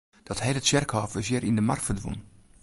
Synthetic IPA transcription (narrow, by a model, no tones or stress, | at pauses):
d̥ɔtɦɛjdətsɛrkhɔːfəsjɪɾindəmartfərdʋo̰n